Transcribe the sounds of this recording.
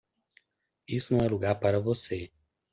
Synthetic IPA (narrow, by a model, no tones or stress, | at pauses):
isnoɛluɡapɐɾɐvose